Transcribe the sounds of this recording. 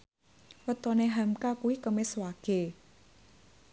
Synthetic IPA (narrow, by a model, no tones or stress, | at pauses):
wət̪ɔneɦamkakuwikəmɪswaɡ̥e̤